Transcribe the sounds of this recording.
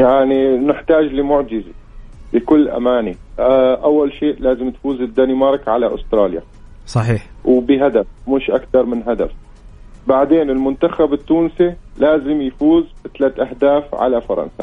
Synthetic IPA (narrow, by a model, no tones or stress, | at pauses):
jaʕninɪħt̪aːd͡ʒlɪmʊʕd͡ʒɪz | lɪkʊlːʔa̰maːni | ʔawːalʃeːʔlaːzɪmt̪fuːzɪd̪ːanimɑɾˤkʕalaʔʊst̪ɾˤɑːlja̰ | sˤɑħiːħ | wbɪɦad̪afmɪʃʔakt̪ɑɾˤmɪnɦad̪a̰f | baʕd̪eːnɪlmʊnt̪axabɪt̪ːuːnsilaːzɪmjfuːzɪt̪alaːt̪ʔaɦd̪aːfʕa̰lafɑɾˤɑ̰nsa̰